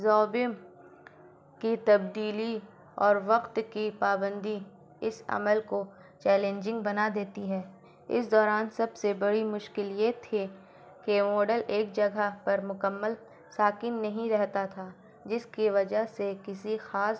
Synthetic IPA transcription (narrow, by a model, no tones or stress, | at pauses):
zɔːbɪm | kit̪ɐb̚d̪iːli | ɔːɾʋɐqt̪kipaːbə̃nd̪i | ɪsɐ̰məlko | t͡ʃɛːlẽːnd͡ʒɪ̃ŋɡ̚bɐnad̪eːt̪iɦɛː | ɪ̰sd̪ɔːɾaːnsɐbsebɐɽimʊʃkɪljet̪ʰːi | kemɔːɖəleːkd͡ʒɐɡapɐɾmʊkəmːəl | saːkiːnːɐɦĩɾɛɦt̪at̪ʰaː | d͡ʒɪskiʋɐd͡ʒəɦsekɪsixaːs